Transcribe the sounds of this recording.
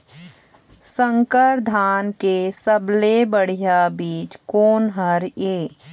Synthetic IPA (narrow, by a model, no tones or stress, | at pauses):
sə̃ŋkəɾd̪ʱaːnkesəblebəɽ̤ijabiːt͡ʃkoːnɦəɾeː